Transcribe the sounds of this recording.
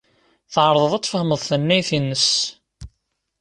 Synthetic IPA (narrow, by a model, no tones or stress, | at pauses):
θʕɾˤəðˤəðˤɑt̪ˤfəhəməðˤθənːæjθinːəs